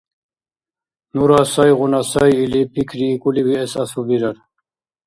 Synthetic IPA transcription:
nuɾasajʁunasajilipʰikʰɾiːkʼuliwiɛsasubiɾaɾ

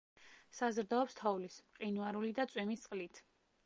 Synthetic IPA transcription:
sazɾd̪aɔpst̪ʰɔvlismqʼinuaɾulid̪at̪sʼwɛmist̪sʼqʼlit̪ʰ

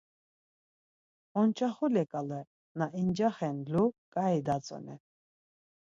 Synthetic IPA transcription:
ɔnt͡ʃʰʼaχɔlɛkʼalɛ | naʔind͡ʒaχɛnlukʼaid̪at͡sʼɔ̰nɛ̰

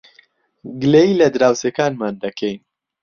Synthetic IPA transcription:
ɡɨlejilɐd̪ɾaːwsekaːnmaːnd̪ɐkʰɛjn

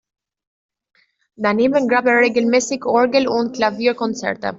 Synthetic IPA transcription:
daneːmənɡɾabəʁeːɡl̩mɛːsɪçɔɹɡəl̩ʊnt̚klaviːkɔnt͡sɛ̰ʁtə̰

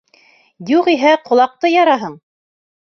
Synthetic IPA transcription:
juʁiɦæqŏlˠɑq̚t̪ɤjɑɾɑɦɤɴ

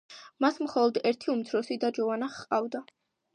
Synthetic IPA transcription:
masmχɔlˠɔd̪ɛɾt̪ʰiumt̪sʰɾɔsid̪ad͡ʒɔvanaχqʼavd̪a

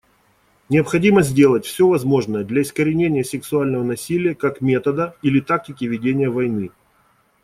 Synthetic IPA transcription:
nʲɪəpxɐdʲiməzʲdʲe̞lˠətʲfsʲovɐzmo̞ʐnəjəd̪lʲɐɪskəɾʲɪnʲenʲɪjəsʲɪksʊalʲnəvənɐsʲilʲɪjəkakmʲe̞t̪əd̪əilʲɪt̪ak̚tʲɪkʲɪvʲɪdʲenʲɪjəvɐjnɨ

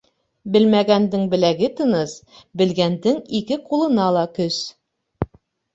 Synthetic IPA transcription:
bɘ̆lmæɡænd̪ɘŋbɘ̆læɡɘt̪ɤ̆nɤs | bɘ̆lɡænd̪ɘŋikɘqulˠɤ̆nɑlˠɑkɵs

